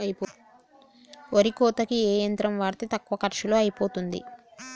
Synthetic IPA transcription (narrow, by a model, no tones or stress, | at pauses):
ɐjipoː | oɾikɔːt̪ɐkiɛːjɐnt̪ɾɐmʋaːɾt̪it̪ɐkːʋɐkɐɾʂuloːɐjipoːt̪und̪ḭ